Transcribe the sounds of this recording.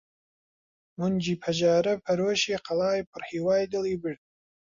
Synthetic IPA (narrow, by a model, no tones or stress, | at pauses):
mʊnd͡ʒiːpʰɐʒɑːɾɐpʰɐɾoːʃiːqʰɐlˠɑːjpʰɨrhiːwaːjd̪ɨlˠiːbɨɾd̪̚